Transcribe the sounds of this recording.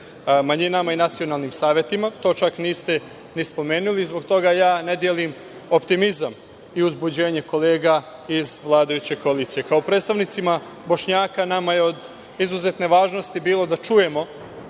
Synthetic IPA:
maɲinamainat̪sijo̞naːlˠnimsaːʋje̞t̪imat̪o̞ːt͡ʃakniːst̪e̞ | nispo̞me̞ːnulizbo̞ɡt̪o̞ɡajaːne̞d̪je̞lim | o̞pt̪imizam | iuzbud͡ʑe̞ːɲe̞ko̞le̞ːɡa | izʋlˠaːd̪ajut͡ɕe̞ko̞aliːt̪sije̞kaopɾe̞ːt̪st̪aʋnit̪sima | bo̞ʃɲaːkanamajeo̞d̪ | izuzet̪ne̞ʋaːʒno̞st̪ibiːlˠo̞d̪at͡ʃuje̞mo̞

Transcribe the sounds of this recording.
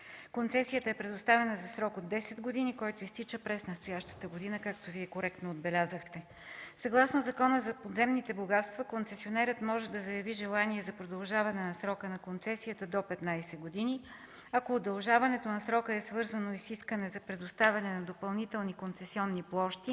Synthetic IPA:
kont̪sɛsijət̪əɛpɾɛd̪ʊst̪avɛnəzɐsɾɔkod̪ːɛsɛd̪ɡod̪inikɔjt̪oist̪it͡ʃəpɾɛsnɐst̪ojaʃt̪ə̥t̪əɡod̪inəkak̚t̪oviɛkoɾɛkt̪noːd̪̚bɛlʲazəxt̪ɛ | sɐɡlˠasnozɐkɔnəzɐpod̪zɛmnit̪ɛboɡat̪st̪vɐkont̪sɛsionɛɾət̪mɔʒɛd̪ɐzɐjɐviʒɛlˠaniɛzɐpɾod̪ɐlˠʒavɐnɛnɐsɾɔkənɐkont̪sɛsijət̪əd̪opɛt̪najsɛɡod̪ini | ɐkoːd̪ɐlˠʒavɐnɛt̪onɐsɾɔkəɛsvɤɾzənoisiskənɛzɐpɾɛd̪ost̪avʲɐnɛnɐd̪opɐlˠnit̪ɛlˠnikont̪sɛsiɔnːiplˠɔʃt̪i

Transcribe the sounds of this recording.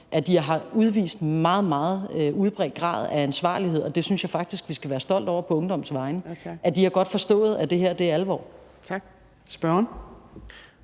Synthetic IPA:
ʔæd̥iɦɑ̈uð̞ˠʋḭːsd̥mɑ̈ːð̞̩ˠmɑ̈ːð̞̩ˠøʔuð̞ˠb̥ʁɛ̰d̥̚ɡ̥ʁɑ̰̈ːð̞̩ˠæænsʋɑ̰̈ːliɦe̝ð̰ˠɒ̽d̥e̝synsjɑ̈ɪfɑ̈ɡ̥̚d̥isɡ̥ʋisɡ̥æʋæːɐsd̥ɒ̽l̰d̥ɒʊ̰ɐpʰɒ̽ɔ̽ŋd̥ɒ̽m̰sʋɑ̈ɪnəæd̥iɑɡ̥ɒ̽d̥fɒ̽sd̥ɔ̰̽ːð̞̩ˠæd̥e̝ɦeɐ̰d̥e̝ælʋɒ̰ː | t͡sʰɡ̥ | sb̥ɶɐn

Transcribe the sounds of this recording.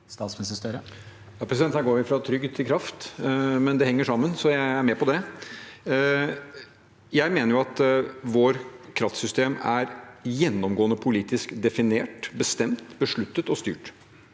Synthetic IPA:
st̪ɑːt̪smnɪst̪əst̪œɾə | jɑːpʰɾɛsɪdɛnt̪næɡoːɾʋɪfɾɑt̪ʰɾʏɡt̪ʰɪlkʰɾɑft̪mɛnd̪ɛhɛŋːəʂɑmːənsɔjæɪæɾmɛpɔd̪ɛ | jæɪmeːnəɾjʊɑt̪ʋoːɾkʰɾɑft̪sʏst̪eːmæɾjɛnːɔmɡoːnəpʰʊliːt̪ɪskd̪ɛfɪneːʈbəst̪ɛmt̪bəʂɭʉt̪ːət̪ɔst̪y̰ːʈ

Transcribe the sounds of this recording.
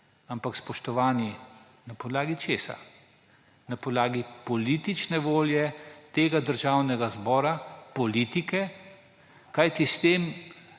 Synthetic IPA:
ampakspɔʃt̪ɔʋaːni | napɔd̪laːɡit͡ʃeːsa̰ | napɔd̪laːɡipɔliːt̪it͡ʃnɛʋoːljɛt̪eːɡad̪əɾʒaːwnɛɡazbɔːɾapɔliːt̪ikɛ | kajt̪ist̪eːm

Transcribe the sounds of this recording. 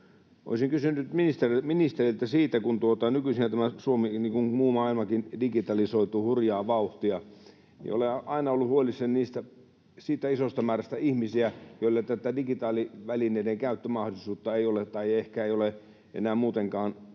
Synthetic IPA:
ʔo̰isiŋkysynyt̪minist̪eriminist̪erilt̪æsiːt̪ækunt̪uot̪ɑnykysinæt̪æmæsuominiːŋkunmuːmɑːilmɑkindiɡit̪ɑlisoit̪uhurjɑːʋɑuht̪iɑ | nḭo̰leʔɑinɑolːuhuolisːenniːst̪æ | siːt̪æisost̪ɑmæːrɑst̪æihmisiæjoˑilːet̪ːæt̪ːædiɡit̪ɑːliʋælineˑideŋkæyt̪ːømɑhdŏlisuːt̪ːɑeiolet̪ɑiehkæeiole | ʔḛnæːmuːt̪eŋkɑːn

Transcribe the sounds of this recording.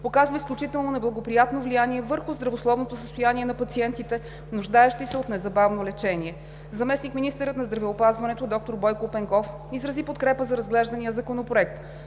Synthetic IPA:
pokazvəisklʲut͡ʃit̪ɛlˠnonɛblˠɐɡopɾijat̪novlijaniɛvɤɾxʊzd̪ɾɐvoslˠɔvnot̪osəst̪ʊjaniɛnɐpɐt̪siɛnt̪it̪ɛ | nʊʒd̪aɛʃt̪isɛot̪nɛzɐbavnolɛt͡ʃɛniɛ | zɐmɛsnikminist̪ɛɾət̪nɐzd̪ɾɐvɛopazvɐnɛt̪od̪ɔk̚t̪oɾbɔjkopɛŋkɔf | izɾɐzipot̪kɾɛpəzɐɾɐzɡlɛʒd̪ɐnijəzɐkonopɾoɛk̚t̪

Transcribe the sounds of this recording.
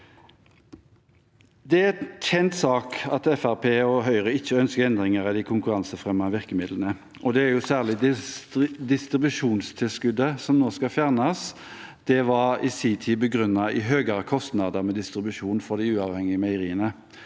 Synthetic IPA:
d̪ɛæɛt̪çɛnt̪sɑːkɑt̪ɛfæʁpʰeːɔɦœʏʁəɪçːəœnskəʁɛnd̪ɾɪŋəɾɑd̪ɪkʰʊŋkʉʁɑnsəfʁɛmːɑʋɪʁkəmɪd̪lənə | ʔɔd̪ɛæɾjʊsæːʁlɪd̪ɪ | d̪ɪst̪ɾɪbʉʂuːnst̪ʰɪlskʉd̪ːəsɔmnoːskɑfjæːʁnɑs | d̪̥ɛʋɑʁɪ̰siːt̪ʰiːbəɡʁʉnːɑɪɦøːɡəʁkʰɔst̪nɑd̪əʁmɛd̪ɪst̪ɾɪbʉʂuːnfɔʁd̪ɪʉːɑʋhɛŋɪəmɛɪʁiːənə

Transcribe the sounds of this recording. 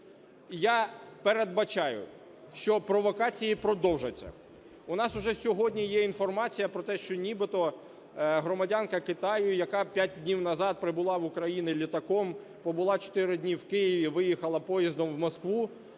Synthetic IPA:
japeɾed̪̚bɐt͡ʃɑjʊ̰ | ʃt͡ʃɔpɾɔʋɔkɑt͡sʲijipɾɔd̪ɔwʒɐt͡sʲːɐ̰ | ʊnɑsʊʒɛsʲɔɦɔdʲnʲijɛinfɔrmɑt͡sʲijɐpɾɔt̪ɛʃt͡ʃɔnʲibɪt̪ɔ | ɦɾɔmɐdʲankɐkɪt̪ɑjʊjɐkɑpʲjat̚ʲd̪ʲnʲiwnɐzɑd̪̚pɾɪbʊlˠɑʋʊkɾɐjinɪlʲit̪ɐkɔm | pɔbʊlˠɑt͡ʃɔ̥t̪ɪɾɪdʲnʲiwkɪjiʋʲiʋɪjixɐlˠɐpɔjizd̪ɔmwmɔskʋu

